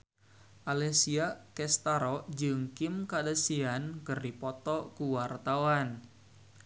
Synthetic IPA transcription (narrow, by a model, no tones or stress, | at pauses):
ʔalɛsiakɛst̪aɾɔd͡ʒɨŋkɪmkadəsiankɨrdipɔt̪ɔkuwart̪awan